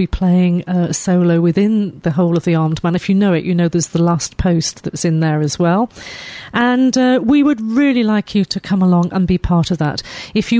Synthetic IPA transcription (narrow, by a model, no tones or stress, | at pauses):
bipʰl̥eɪɪ̃ŋʌsoʊloʊwɨðɪ̃nðɨɦoʊlˠʌvðiɑɹmdmæ̃nɨfjɨnoʊɨʔʔɨnoʊðə˞zðəlæspʰoʊsðɨtsɨ̃nðə˞ɨzwɛlˠʔə̃nʌwiwəd̚ɹɪlˠilaɪkʰjɨɾɨkʰʌ̃məlɔ̃ŋʔə̃nbipʰɑɹɾʌvðə̰tɨfjɨ